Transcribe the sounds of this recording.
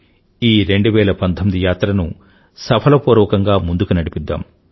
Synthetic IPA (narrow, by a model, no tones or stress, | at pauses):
iːɾe̞ɳɖuʋɛːlɐpɐnt̪ʰomid̪ijaːt̪ɾɐnu | sɐpʰɐlɐpuːɾɔːkɐŋɡaːmund̪ukunɐɽipid̪ːa̰ːm